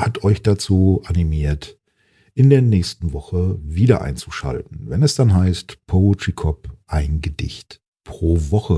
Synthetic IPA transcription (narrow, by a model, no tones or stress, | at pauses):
hatʰɔʏçd̥at͡suːʔanimiːɐt | ʔɪndeːɐnɛːçstn̩vɔχəviːdɐ̰ʔa̰ɪnt͡su̥ʃa̰ltn̩vɛnɛsd̥anɦaɪstpʰotʁ̥ikʰɔpʔaɪnɡədɪçt | pʁ̥oːvɔχə